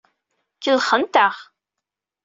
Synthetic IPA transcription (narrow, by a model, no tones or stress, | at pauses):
kəlχənt̪aʁ